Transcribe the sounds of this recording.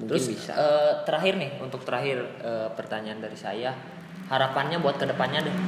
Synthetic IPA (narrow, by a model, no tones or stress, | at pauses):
muŋəɾʊɪnsbisa̰əːt̪əɾaɦɪrnɪhunt̪ʊk̚t̪əɾaɦɪrʔəːpərt̪aɲaandaɾisa̰ja | haɾapanɲabuat̪̚kədəpanɲadɛ